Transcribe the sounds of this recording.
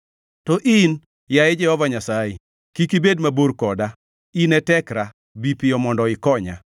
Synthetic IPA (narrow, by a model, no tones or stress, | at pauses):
tɔʔin | jajed͡ʒɛhɔvaɲasaje | kikibedmaboɾkɔda | inɛtɛkɾa | bipɪɔmɔndɔɪkɔɲa̰